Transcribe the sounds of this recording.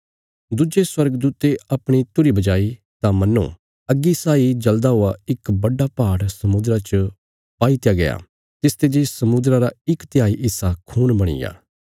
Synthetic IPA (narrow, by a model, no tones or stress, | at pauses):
d̪ud͡ʒeswɐɾɡd̪uːt̪eɐpɽ̃it̪ʊɾibɐd͡ʒaːi | t̪ãmɐnːõ̰ | ɐɡisaːid͡ʒɐld̪aɦʊaɪkbɐɖapaːɽsɐmʊd̪ɾat͡ʃə | paːit̪jaɡɐja̰ː | t̪ɪst̪ed͡ʒisɐmʊd̪ɾaɾaɪkt̪ɪjaːiʔɪsakʰuːnbɐɽ̃ɪ̰ja̰ː